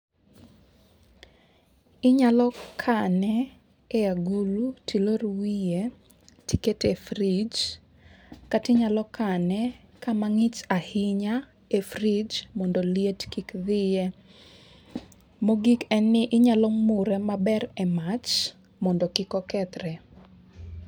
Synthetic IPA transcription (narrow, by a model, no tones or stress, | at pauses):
ɪɲalɔkʰanɛː | aɡulutʰiloɾwije | tiketefɾid͡ʒ | katɪɲalɔkʰanɛ | kamaŋɪt͡ʃahɪɲa | efrid͡ʒmɔndɔlijetkikðɪjɛ | moɡikɛnːɪʔɪɲalɔmuɾɛmabɛrɛmat͡ʃ | mɔndɔkɪkɔkɛt̪ɾɛ